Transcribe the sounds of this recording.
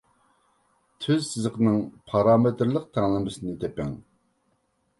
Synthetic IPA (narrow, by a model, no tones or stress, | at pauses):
t̪ʰøzsɪzəqnɨŋpʰɑɾɑːmɨt̪ɾlˠəq̚t̪ʰæŋlˠɨmɨsɨnɨt̪ʰɛpɛ̰ŋ